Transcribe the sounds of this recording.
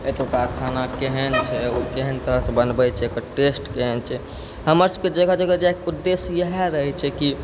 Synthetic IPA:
et̪okakʰanakeɦənt͡ʃʰɛukeɦənt̪əɾəɦsebənbɛt͡ʃʰɛekəɾʈesʈkeɦənt͡ʃʰɛ | ɦəməɾsəb̚ked͡ʒəɡəd͡ʒəɡəd͡ʒeekud̪ːesjəɦɛɾəɦɛt͡ʃʰɛki

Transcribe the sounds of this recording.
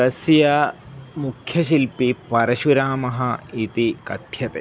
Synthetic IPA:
ɐsjɐmukʰjɐʃilpipɐɾɐʃuɾaːmɐɦɐit̪ikɐt̪jɐt̪ḛ

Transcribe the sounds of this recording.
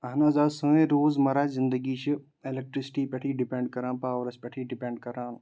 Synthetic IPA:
ɐɦnãːzaːsə̃ːẽɾoːzmɐɾaːzɪ̃nd̪əɡiːt͡ʃʰi | elek̚ʈɾɪsɪ̥ʈiːpɐʈʰiːɖɪpẽːɳɖ̚kɐɾãːnpaːʋɾɐspʲɐʈʰiɖɪpẽːɳɖ̚kɐɾãːn

